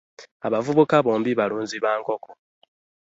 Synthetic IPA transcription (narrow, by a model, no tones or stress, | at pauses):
a̰βavuβukaβoːmbiβaluːnziβaːŋko̞kʰo